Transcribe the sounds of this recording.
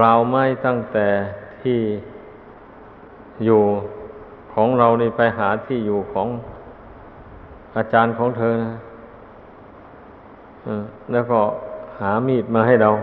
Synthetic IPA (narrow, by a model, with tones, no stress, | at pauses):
klaː˧wma˥˩˨jt̪a˥˩ŋt̪ɛː˨˩t̪ʰiː˧˥˩ | juː˨˩ | kʰɔː˩˦ŋɾa˧wniː˧˩pa˧jɦaː˩˦t̪ʰiː˥˩juː˨˩kʰɔː˩˦ŋ | ʔaː˧t͡ɕaː˧nkʰɔː˩˦ŋt̪ʰɤː˧na˧˥˩ | ʔɯː˧˩lɛː˦˥˩wkɔː˧˩haː˩˦miː˧˩t̪̚maː˧ɦa˥˩jɾa˧w